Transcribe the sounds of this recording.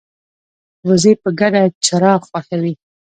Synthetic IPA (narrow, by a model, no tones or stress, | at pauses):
wəzepəɡaɖat͡ʃaɾɑxwaxawi